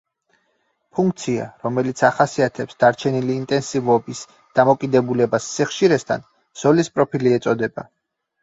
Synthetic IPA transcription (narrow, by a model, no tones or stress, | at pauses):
pʰuŋkʰt̪sʰia̰ɾɔmɛlit̪sʰaχasiat̪ʰɛpsd̪̥aɾt͡ʃʰɛniliːnt̪ʼɛnsivɔbis | d̪̥amɔkʼid̪ɛbulɛbasːiχʃiɾɛst̪ʰa̰n | z̥ɔlispʼɾɔpʰiliɛt̪sʼɔd̪ɛba̰